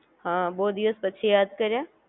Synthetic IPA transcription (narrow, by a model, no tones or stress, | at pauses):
ɦãːboːd̪iʋəspɐtːʃʰejaːd̪kɐɾã